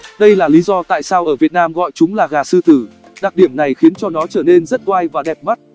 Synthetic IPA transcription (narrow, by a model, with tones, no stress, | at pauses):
ɗə˧jlaː˨˩li˨˦zɔ˧t̪a̰ː˧˨jsaː˧wʔəː˧˩vi˨˩ət̚naː˧mɣɔ̰˧˨jt͡ɕʊ˨˦ŋ͡mlaː˨˩ɣaː˨˩sɨ˧t̪ɨ˧˩ | ɗa˨˩k̚ɗi˧˩əmna˨˩jxi˨˦ənt͡ɕɔ˧nɔ˨˦t͡ɕəː˧˩ne˧nzə˦˥t̚t̪waː˧jvaː˨˩ɗɛ˨˩p̚ma˦˥t̚